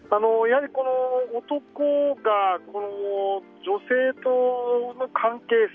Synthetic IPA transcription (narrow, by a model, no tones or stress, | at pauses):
ano̞jahaɾʲiko̞noːt̪o̞koɡako̞no | d͡ʑo̞se̞ːt̪onokʰãŋke̞ː